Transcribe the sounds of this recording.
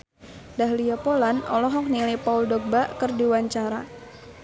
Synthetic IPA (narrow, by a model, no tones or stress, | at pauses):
daɦlijapolanɔ̰lɔɦɔk̚nilepauldɔɡ̚baʔkərdiwaɲt͡ʃaɾa